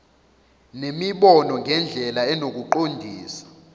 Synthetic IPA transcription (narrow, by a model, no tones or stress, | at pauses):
nemiɓɔnɔŋʱɛnd͡ɮʱɛlaɛnok̬ʼuǃondʱiːsḁ